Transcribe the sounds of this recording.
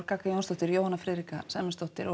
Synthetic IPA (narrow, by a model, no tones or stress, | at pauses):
ɾkakajownst̪ɔht̪ɪɾjowhanːafɾɪːɾika̰sɛmɛst̪oht̪ɪɾɔ